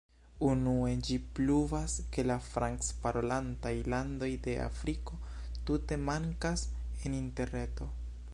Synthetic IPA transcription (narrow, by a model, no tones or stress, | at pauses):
unue̞d͡ʒipluvaske̞lafɾaŋkspaɾolantajlando̞jde̞ʔa̰fɾiko̞ | tute̞maŋkaseninte̞ɾne̞to̞